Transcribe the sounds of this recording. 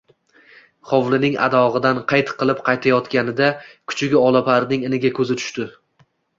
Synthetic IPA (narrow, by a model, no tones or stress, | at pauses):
χɒvlˠɪnɪŋa̰d̪ɒʁɨd̪anqʰɑjt̪qɨlˠɪpqʰɑjt̪ʰajɒt̪kʲanɪd̪akʰʊ̥t͡ʃʰɪɡʲɪɒlˠapʰaɾnɪŋɪnɪɡʲakʰɵzɪt̪ʰʊ̥ʃt̪ɪ